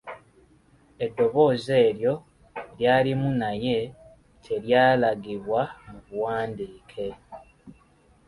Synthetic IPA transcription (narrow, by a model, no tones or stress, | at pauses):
e̞dːo̞βo̞ːze̞ːɾjo̞ | ljaːlimunaje̞ | tʰe̞ɾjaːlaɡiβwamuβuwaːndiːkʰe̞